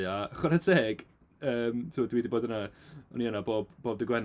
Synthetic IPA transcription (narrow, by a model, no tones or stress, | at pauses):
aχɔɾatʰeːɡ̥ | əːmtʰuːdwiːdiboːdənaɔ̰niənaboːb̚b̥oːb̚dɪɡwɛn